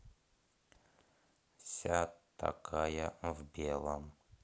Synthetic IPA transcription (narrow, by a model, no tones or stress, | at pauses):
sʲat̪ːa̰kʰajəvbʲelˠəm